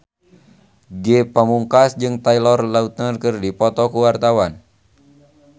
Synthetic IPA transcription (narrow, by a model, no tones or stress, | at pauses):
ɡɛpəmuŋkasd͡ʒɨŋt̪ailɔrlaut̪̚nərkɨrdipɔt̪ɔkuwart̪awan